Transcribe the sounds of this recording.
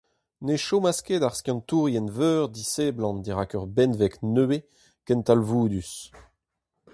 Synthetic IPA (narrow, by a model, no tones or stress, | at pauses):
neʃomasked̪aʁskjɑ̃nt̪uːʁjɛnvøːʁd̪iseblɑ̃nd̪eʁakœʁbɛnvɛknøe | kɛnt̪alvuːd̪ys